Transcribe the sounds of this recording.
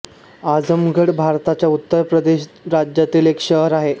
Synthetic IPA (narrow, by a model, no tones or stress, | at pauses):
ad͡zəmɡəɽbʱaɾt̪at͡ɕjaut̪ːəɾpɾəd̪eɕɾad͡ʑjat̪iːlekɕəɦɾaɦe